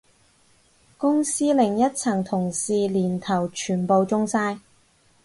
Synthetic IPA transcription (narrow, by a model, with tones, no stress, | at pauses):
kʊ˥ŋsiː˥lɪ˨˩ŋjɐ˥t̚t͡sʰɐ˨˩ŋt̪ʰʊ˨˩ŋsiː˨˧liː˨˩nt̪ʰɐ˨˩wt͡ʃʰyː˨˩npo˨˧wt͡sʊ˥ŋsaː˥j